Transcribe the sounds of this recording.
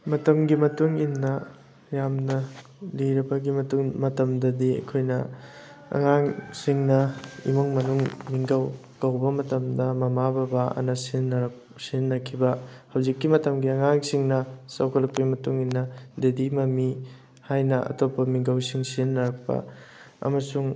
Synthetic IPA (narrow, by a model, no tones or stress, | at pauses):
mɐtɐmɡimɐtuŋinːɐ | jamnɐ | liɾibɐɡimɐtuŋmɐtɐmdɐdiɐ̰kʰojnɐ | ɐ̰ŋaŋsiŋnɐḭmuŋmɐnuŋmiŋɡɐw | kɐwbɐmɐtɐmdɐmɐmabɐbaɐ̰nɐsinːɐɾ | sinːɐkʰibɐhɐwzikːimɐtɐmɡiɐŋaŋsiŋnɐsɐwkʰɐlɐk̚pːɐɡimɐtuŋinːɐdedimɐmi | hajnɐʔɐ̰topːɐmiŋɡɐwsiŋsinːɐɾɐk̚pɐ̰ | ɐ̰mɐsuŋ